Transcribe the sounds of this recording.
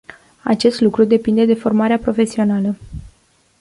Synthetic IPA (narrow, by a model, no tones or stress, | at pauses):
a̰t͡ʃe̞st̪lukɾud̪e̞pind̪e̞d̪e̞fo̞rmaɾeapɾo̞fe̞sio̞nalə